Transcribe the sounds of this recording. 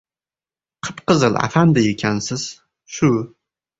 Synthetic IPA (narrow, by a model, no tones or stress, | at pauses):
qʰəpqəzɨlʕa̰fand̪ɐjɪkʲʰansɨz̥ | ʃu